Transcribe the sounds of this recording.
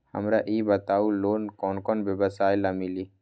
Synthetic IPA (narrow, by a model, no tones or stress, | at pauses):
hə̰mɾaʔiːbət̪aːuloːnkɔːnkɔnbebəsaːjlamili